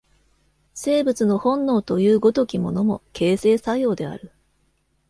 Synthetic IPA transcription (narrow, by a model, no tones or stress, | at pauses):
se̞ːbɯ̟t͡sɨno̞hõ̞nːo̞ːt̪o̞jɯ̟ːɡo̞t̪o̞kʲimo̞no̞mo̞̰ke̞ːse̞ːsajo̞ːd̪e̞a̰ɾɯ̟